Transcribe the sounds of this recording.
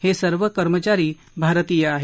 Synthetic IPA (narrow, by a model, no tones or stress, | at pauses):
hesəɾʋəkəɾmət͡ʃaɾiː | bʱaɾət̪iːjəaɦ